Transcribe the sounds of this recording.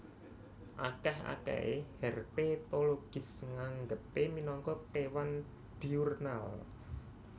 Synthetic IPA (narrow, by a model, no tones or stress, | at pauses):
ʔa̰kɛha̰kɛ̰ḛhɛrpet̪oloɡ̥ɪ̤sŋaŋɡəpeminɔŋkɔkewan | d̪̥iurnal